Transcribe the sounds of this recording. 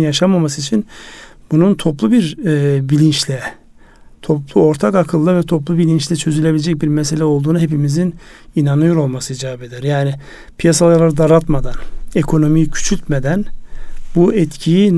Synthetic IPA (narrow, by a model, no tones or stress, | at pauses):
njaʃamamasɯit͡ʃʰinbununt̪ʰo̞plˠubiɾbilʲint͡ʃlʲɛ | t̪ʰo̞plˠuo̞ɾt̪ʰakakʰɯlˠːɯvɛt̪ʰo̞p̬lˠubilʲint͡ʃlʲɛt͡ʃʰø̞zylʲeilʲed͡ʒɛc̚biɾmɛs̬e̞lʲɛo̞lˠd̪uːnuɦe̞pimizin | inanɯjoɾo̞lˠmasɯid͡ʒevabe̞d̪ɛɾjaːnɪ | pʰijasalˠalˠaɾɯd̪aɾat̪mad̪anekʰo̞no̞mijicʰy̥t͡ʃʰylʲt̪med̪ænbuɛt̪cʰijin